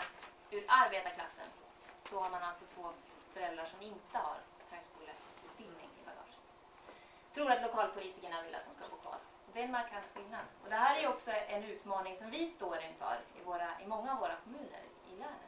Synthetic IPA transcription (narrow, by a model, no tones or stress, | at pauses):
t̪ | ʉɾaɾbeːt̪akʰla̰sːə̰n | sɔhaɾmanalt̪sɔt̪ʰvoː | fœɾɛlɾaʂɔmɪnt̪əha̰ɾ | høːɡskuːləʉ̟ːt̪bɪld̪nɪ̰ŋɪ̰baɡɑ̰ːʂən | t̪ʰɾuːɾat̪lʊkʰɑːlpʰʊliːt̪ɪkəɳavɪlʔa̰t̪d̪ɔmskaɡoːkʰvɑ̰ːɾ | ɔd̪ɛɛnmaɾkʰand̪ɧɪlnad̪ɔd̪ɛɦæːɾæɾjɵɔksɔɛnʉ̟ːt̪mɑːnɪŋsɔmvɪst̪oːɾɪnfœ̰ːɾɪ̰voːɾaɪmɔŋːavːoːɾakʰɔmʉ̟ːnə̰ɾ | ɪ̰læːɳə̰t̪